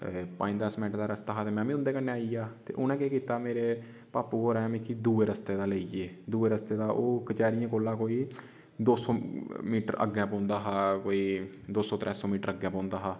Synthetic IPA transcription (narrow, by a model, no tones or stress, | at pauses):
pãːd̪əsmɛ̃ːʈd̪aːɾəst̪aːɦaːt̪eːmɛ̃ːʋĩːʊ̃nd̪eːkənːeːaːiːaːt̪ḛːʔʊnãːkeːkiːt̪aːmeːɾeː | paːpuːkoːɾɛ̃ːmĩːkʰiːd̪uːeːɾəst̪eːd̪aːləieːd̪uːeːɾəst̪eːd̪aːʔoːkət͡ʃaːɾijãːkoːlãːkoːiː | d̪oːsɔːmiːʈə̰ɾə̰ɡãːpɔ̃ːnd̪aːɦaːkoːiː | d̪oːsɔːt̪ɾʔɛːsɔːmiːʈəɾəɡɛ̃ːpɔ̃ːnd̪aːɦaː